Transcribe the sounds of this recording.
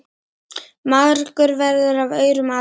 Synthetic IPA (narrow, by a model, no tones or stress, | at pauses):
maɣɾkʏɾvɛɾðʏɾavœːɥɾʏmaː